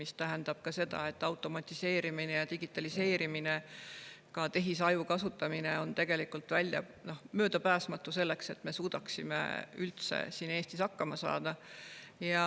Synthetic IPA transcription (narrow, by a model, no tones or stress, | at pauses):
mist̪æɦend̪̥ɑb̥kɑse̞d̪̥ɑ̰e̞t̪ːˑɑwt̪ˑo̞mɑt̪ʲːˑise̞ːɾiminejɑt̪iɡ̥it̪ːˑɑlise̞ːɾimine̞ | kɑt̪e̞ɦisɑjukɑsut̪ːˑɑmineo̞nt̪e̞ɡ̥e̞likult̪vælʲjɑ̰ | no̞hmøːd̪ɑpæːsmɑt̪ːˑuse̞lːe̞kse̞t̪ːme̞suːd̪̥ɑksimḛylt̪sḛsiːne̞ːst̪isɑkːɑmɑsɑ̰ːd̪̥ɑjɑ